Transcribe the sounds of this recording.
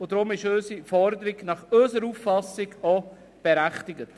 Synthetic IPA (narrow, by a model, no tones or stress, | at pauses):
ʊd̥ɾʊmɪʃøːsifɔɾdəɾiɡnɑχøːsəɾuːffɑsɪɡo | b̥ɛɾæχtɪɡət